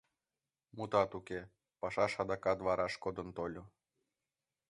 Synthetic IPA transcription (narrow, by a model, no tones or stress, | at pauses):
mut̪ɑt̪ukʲe | pɑʃɑʃɑd̪ɑkɑt̪vɑɾʔɑʃkod̪ɤnt̪olʲo